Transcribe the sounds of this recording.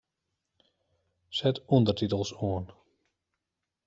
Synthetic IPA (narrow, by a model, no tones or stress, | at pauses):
sɛtundərtitəlˠsuən